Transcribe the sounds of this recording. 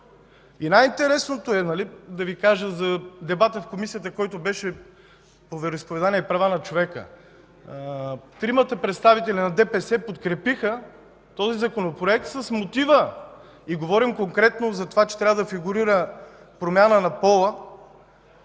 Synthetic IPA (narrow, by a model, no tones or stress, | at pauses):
inajint̪ɛɾɛsnot̪oɛnɐlid̪ɐvikaʒəzɐd̪ɛbat̪əfkomisijət̪əkɔjt̪obɛʃɛ | povɛɾoispovɛd̪aniɛipɾɐvanɐt͡ʃovɛkə̰ | t̪ɾimət̪əpɾɛt̪st̪avit̪ɛlʲinɐd̪ɛpɛsɛpot̪kɾɛpixə | t̪ɔzizɐkonopɾoɛk̚t̪səsmot̪ivə | iɡovɔɾimkoŋkɾɛt̪nozɐt̪ovat͡ʃɛ̥t̪ɾʲavəd̪ɐfiɡuɾiɾə | pɾomʲjanənɐpɔlˠə